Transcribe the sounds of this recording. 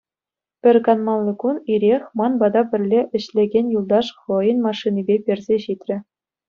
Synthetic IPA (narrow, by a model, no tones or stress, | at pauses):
pʲɘ̆rʲkɑnmɑlˠːɤ̆kuniɾʲexʲmɑnbɑd̪ɑpʲɘ̆rʲlʲeʔɘ̆ɕlʲeɡʲenʲjulˠd̪ɑʂχɤ̆jɤ̆nmɑʂːinʲibʲepʲɘ̆rʲzʲeɕit̪ʲrʲɘ̆